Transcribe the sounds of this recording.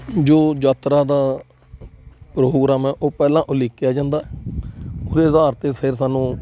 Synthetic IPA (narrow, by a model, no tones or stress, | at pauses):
d͡ʒoːd͡ʒaːt̪ɾaːd̪aː | pɾoːɡɾaːmɛːʔoːpɛːlãːʔʊlɪːkːjaːd͡ʒãːnd̪aːɛ | ʊd̪eːzaːɾt̪eːsʰɪɾsaːnũː